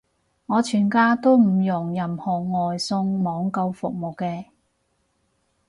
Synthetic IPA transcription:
ŋɔː˨˧t͡ʃʰyː˨˩nkaː˥t̪o˥wm̩˨˩jʊ˨˩ŋjɐ˨mhɔː˨˩ŋɔː˨jsʊ˧ŋmɔː˨˧ŋkɐ˧wfʊ̰˨k̚mo˨˩wkɛː˧

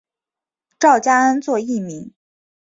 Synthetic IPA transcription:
ʈ͡ʂɑ˥˩ʊt͡ɕja˥a˥nt͡swɔ˥˧i˥˩mi˧˥ŋ

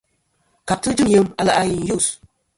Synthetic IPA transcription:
ka˨p̚tɨ˦d͡ʒɨ˦mjə˨˦ma˨la˨ʔa˨ji˨n˨ju˦˨s

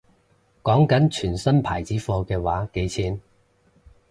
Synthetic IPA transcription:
kɔː˨˥ŋkɐ˨˥nt͡ʃʰyː˨˩nsɐ˥npʰaː˨˩jt͡siː˨˥fɔː˧kɛː˧waː˨˥ke˨˥jt͡sʰiː˨˥n

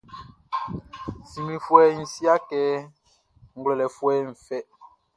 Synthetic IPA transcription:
si˨mi˨fwɛː˦n̩˨si˦a˦kɛː˨˦ | ŋ̩˦ɡlɛ˨lɛ˨fwɛː˦ɱ̩˨fɛ˦

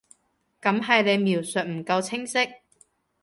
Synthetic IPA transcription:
kɐ˨˥mɦɐ˨jle˨˧jmiː˨˩wsɵ˨t̚m̩˨˩kɐ˧wt͡sʰɪ˥ŋsɪ˥k̚

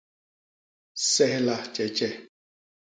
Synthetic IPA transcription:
sɛ˦hla˦t͡ʃʼɛ˨t͡ʃʼɛ˦

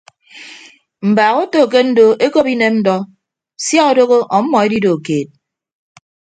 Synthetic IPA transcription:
m̩˨baː˨ɣo˦to˨k̬e˦n̩˦do˦ʔe˦ko˦pi˦ne˦n̩˦dɔ˦ | sja˦ɔ˨do˦ɣo˦ʔɔ˨˦mːɔ˨e˦di˦do˨keː˨t̚

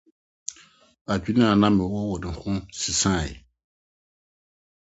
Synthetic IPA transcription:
a˨d͡ʒi˦nĩ˦a˨nã˦mɛ˨wo˦wo˨nĩ˨xʊ̃˦si˨sã˦˨jɛ̰˨

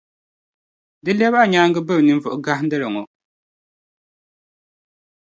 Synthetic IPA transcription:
dɨ˦lɛ˦ba˦ɲaː˦ŋɡɨ˦bɨ˦˨bnɨ˦m˦vʊ˨ʔʊ˨ɡa˦hn˦dɨ˦lɨ˨ŋɔ˨

